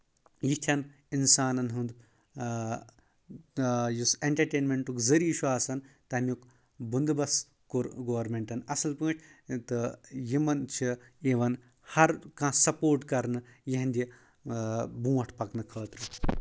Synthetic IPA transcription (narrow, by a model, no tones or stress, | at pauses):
jit̪ʰʲɐn | insaːnɐnɦund̪ | juseɳʈɐɾʈeːnmʲeɳʈukzɐɾiːʃʰuaːsɐnt̪ɐmʲuk | bund̪ɨbɐs | kɾɡoːʋɐɾmeɳʈɐnɐsɐlpɨ̃ːʈʰt̪ɨjimɐnt͡ʃʰieːʋɐn | hɐɾkãːsɐpoːɾʈkɐɾnɨjɐɦɐ̃nd̪ʲi | bũːʋɐʈʰpɐknɨkʰəːt̪ɾɨ